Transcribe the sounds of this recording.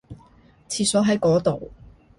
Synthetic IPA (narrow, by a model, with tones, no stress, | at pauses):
t͡sʰiː˧tsɔː˨˥ɦɐ˨˥jkɔː˨˥t̪o˨w